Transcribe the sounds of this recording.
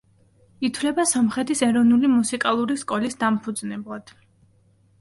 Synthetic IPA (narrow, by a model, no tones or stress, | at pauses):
it̪ʰwlɛbasɔmχɛt̪ʰisɛɾɔvnulimusikʼalˠuɾiskʼɔlisd̪ampʰud̪znɛblˠad̪̥